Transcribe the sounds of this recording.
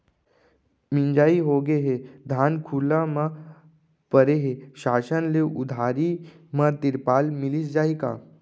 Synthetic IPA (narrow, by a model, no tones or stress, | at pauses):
mɪ̃nd͡ʒaːiɦoɡeɦed̪ʱaːnkʰuːlãmã | pəɾeɦeʃaːʃənleʔʊd̪ʱaːɾi | mãt̪ɪɾpaːlmɪlisd͡ʒaːika̰ː